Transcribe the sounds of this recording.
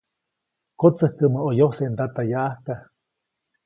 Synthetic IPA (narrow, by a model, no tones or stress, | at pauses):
kot͡səhkəməojoseʔnd̪at̪ajaʔahka